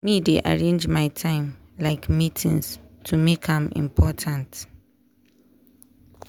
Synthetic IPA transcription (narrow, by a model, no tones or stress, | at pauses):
mideʔa̰ɹẽnd͡ʒmajtʰãɪ̃mlaɪkmitʰĩŋstʰumekʰãmḭ̃mpʰɔtʰãnt